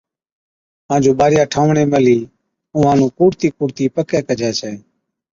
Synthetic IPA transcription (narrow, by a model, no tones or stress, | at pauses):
ɦãːd͡ʒoːɓaːɾɪjaːʈʰaːʋɳeːməliː | ʊ̃ːãːnũːkuːɾt̪iːkuːɽt̪iːpəkɛːkəd͡ʒʱɛːsɛː